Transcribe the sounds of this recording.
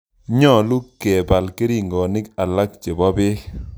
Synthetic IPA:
ɲɔ˦˨lu˦kɛ˨ba˨lke˦ɾi˨ŋɡɔ˨nɪ˦ka˨la˦k̚t͡ʃe˨bɔ˦bɪ˦

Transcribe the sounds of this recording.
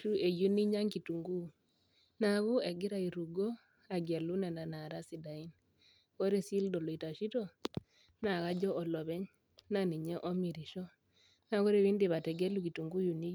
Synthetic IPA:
u˦ʔe˨ju˦ni˦ɲa˦ŋki˨tu˨ŋɡu˦ | na˨ɣu˦e˨ɡi˦ɾa˦i˨ɾu˨ɡɔ˦ | a˨ɡe˨lu˦nɛ˨na˨na˨ɾa˦si˨da˨i˦n | kɔ˦ɾɛ˦si˦ldɔ˨lɔ˨i˨ta˨ʃi˦tɔ˦ | na˨ka˦d͡ʒɔ˦ʔɔ˨lɔ˨βɛ˦ɲ | na˨ni˨ɲɛ˦ʔɔ˦mi˨ɾi˨ʃɔ˦ | na˦kɔ˦ɾɛ˦βiː˦ndi˨βa˨tɛ˨ɡɛ˦lu˦ki˨tu˨ŋɡu˦ju˨ni˦

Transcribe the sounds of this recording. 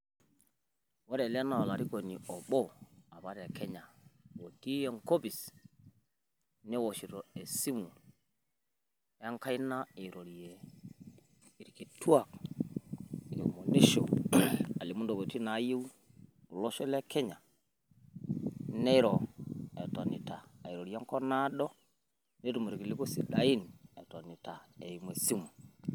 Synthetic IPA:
wo˦ɾe˨lna˨o˨la˨ɾi˦ko˨ni˨o˨ɓɔ˦a˨ba˦ɾe˨kʰe˦ɲa˨wo˨ti˦je˨ŋko˦bi˨s | ne˦wo˨ʃi˨ɾo˨e˨si˦mu˨ | ja˦ŋka˦jna˦i˨ɾo˨ɾje˨ | i˨ɾki˨tu˦a˨k | ɾo̰˨mo˨ni˦ʃo̰˨a˨li˨mu˦ndo˨bo˨ti˦na˨˦ji˦w | u˨lo˦ʃe˦le˦ke˦ɲa˨ | ne˦ɾo˨e˨to˨nḭ˨ta˨i˨ɾo˨ɾja˦ko˦na˦ɗo˦ | ne˦tu˨mu˨ɾki˨li˦ko˦si˨ɗa˨i˦nḛ˨to˨ni˨ta˨ḛ˨ji˨m˨e˨si˦mu˨

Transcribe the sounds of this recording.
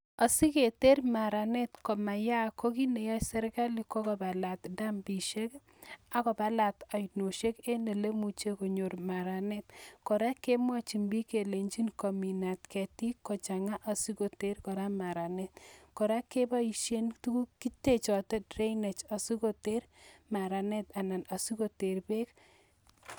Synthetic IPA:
a˨si˦ke˨te˦ɾma˨ɾa˨ne˦tkɔ˨ma˨ja˦ko˦ki˦ne˨jɔ˦sɛ˦ɾka˦li˨ko˦kɔ˨ba˨la˨tda˦mbi˨ʃe˦k | a˨kɔ˨ba˦la˨ta˨jno˨ʃe˦ke˦ne˨le˦mu˨t͡ʃe˦ko˨ɲo˨ɾma˨ɾa˨ne˦tkɔ˨ɾa˦ke˦mwɔ˦t͡ʃi˨mbi˦ke˨le˨ɲd͡ʒi˦nkɔ˨mi˨na˨tkɛ˨ti˦kɔ˨t͡ʃa˨ŋa˦ʔa˨su˦ko˨te˦ɾkɔ˨ɾa˦ma˨ɾa˨nɛ˦tkɔ˨ɾa˦ke˦ba˦i˨ʃje˦ntu˦ku˦ki˦te˦t͡ʃɔ˨tɛ˦tre˦ine˨t͡ʃa˨su˦ko˦te˦ɾma˨ɾa˨nɛ˦ta˨na˨na˨su˦ko˦te˨ɾbe˦k

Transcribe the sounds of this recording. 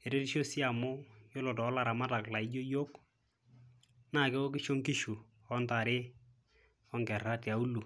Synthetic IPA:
e˨ɾe˦ɾi˦ʃo˦si˦a˨mʊ˦jo˦lɔ˨tɔ˨ɔ˦la˨ɾa˨ma˦ta˨kla˨ɪ˦d͡ʒo˦jo˦k | na˦˨kɛ˦wo˦k̬ɪ˦ʃo˦ŋkɪ˦ʃu˨ | ɔ˦nta˨ɾɪ˦ | ɔ˦ŋɡɛ˨ɾa˦tja˨u˦lu˨

